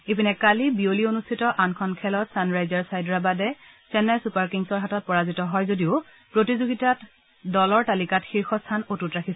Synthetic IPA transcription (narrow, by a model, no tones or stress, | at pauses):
epinɛkalibiolionustʰitɔʔankʰɔnkʰɛlɔtsanɹajzaɹsajdɹabadɛ | sɛnasupaɹkiŋsɔɹɦatɔt̚pɔɹazitɔɦɔjzodiʊ | pɹotizoɡitat | dɔlɔɹtalikatxiɹxɔstʰanotutɹakʰis